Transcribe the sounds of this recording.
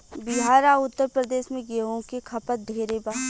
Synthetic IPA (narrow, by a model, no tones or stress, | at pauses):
bɪɦaːɾaːʊt̪ːəɾpɾəd̪eːʃmẽɡeɦõkekʰɐpət̪̚d̪ʱeːɾebaː